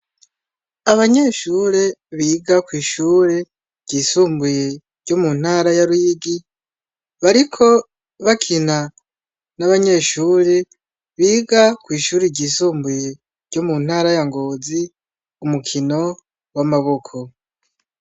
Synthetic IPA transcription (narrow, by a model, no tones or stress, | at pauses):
aβaɲe̞ːʃuːɾe̞βiːɡakwiːʃuːɾe | ɟiːsuːmbuje | ɾɟo̞mun̥haːɾajaɾujiɡi | βaɾikʰo̞ | βakʰina | naβaɲe̞ːʃuːɾe | βiːɡakwiːʃuːɾiɟiːsuːmbuje | ɾɟomun̥haːɾajaŋɡoːzi | umukʰino̞ | wamaβo̞kʰo